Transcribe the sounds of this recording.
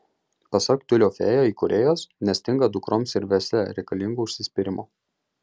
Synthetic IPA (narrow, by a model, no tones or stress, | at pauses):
pɐsɐkʲt̪ʲʊlʲoːfʲḛːjoiːkɔɾʲejoːsnʲɛsʲt̪ʲɪŋɡɐd̪ʊkɾoːmsɪɾʲʋʲɛsʲlʲɛɾʲɛɪkɐlʲɪŋɡuːʊʃʲsʲɪsʲpʲɪɾʲɪmʔoː